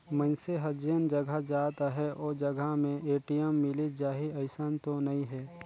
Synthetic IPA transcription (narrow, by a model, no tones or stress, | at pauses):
mə̃nseɦəd͡ʒijənd͡ʒɐɡʱəd͡ʒaːt̪aɦɛʔɔːd͡ʒɐɡʱamẽeːʈijəmːɪlid͡ʒaːɦiɐɪsənt̪onɐĩɦɛː